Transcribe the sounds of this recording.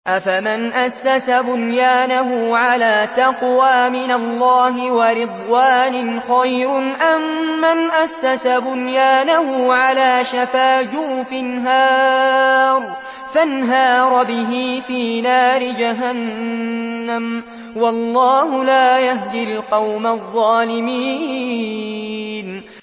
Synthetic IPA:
ʔafamɪnʔasːasabʊnjaːnaɦʊːʕalaːt̪ɑqwaːmɪnalːɑːɦɪwɑɾɪd̪ˤwaːnɪnxɑjɾʊʔamːanʔasːasabʊnjaːnahʊːʕalaːʃafaːd͡ʒʊfɪnɦɑː | ɾˤ | fanɦɑːɾˤɑbɪɦiːfiːnaːɾɪd͡ʒaɦanː | am | wɑlˤːɑːhʊlaːjahd̪ɪlqɑwmaðˤːɑːlɪmiː | n

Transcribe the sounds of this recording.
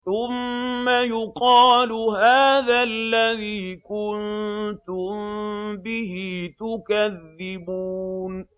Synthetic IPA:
θʊmːajʊqɑːlʊɦaːðalːaðiːkʊnt̪ʊmbɪhit̪ʊkaðːɪbuːn

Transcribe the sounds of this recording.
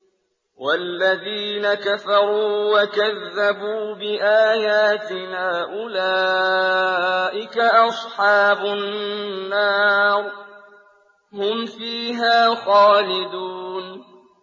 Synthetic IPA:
wʔalːaðiːnakafɑɾˤuːwakaðːabuːbɪʔaːjaːt̪ɪnaːʔʊla | ʔɪkaʔɑsˤħɑːbʊː | aːɾ | hʊmfiːɦaːxaːlɪd̪uːn

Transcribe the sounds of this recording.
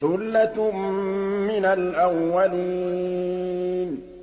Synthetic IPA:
θʊlːat̪ | mɪnalʔawːaliː | n

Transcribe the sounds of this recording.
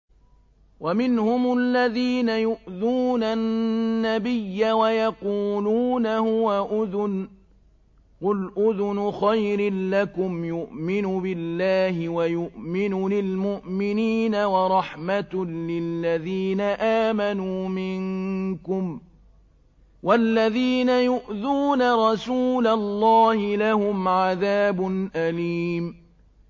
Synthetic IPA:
wamɪnhʊmʊlːaðiːnajʊʔðuːnannːabɪjːawajɑquːluːnahʊwaʔʊðn | qʊlʔʊðʊnʊxajɾɪːakʊmjʊʔmɪnʊbɪlːaːhɪwajʊʔmɪnʊlɪlmʊʔmɪniːnawɑɾˤɑħmat̪lɪlːaðiːnaʔaːmanuːmɪŋkʊm | walːaðiːnajʊʔðuːnaɾˤɑsuːlalˤːɑːhɪlahʊmʕaðaːbʊnʔaliːm

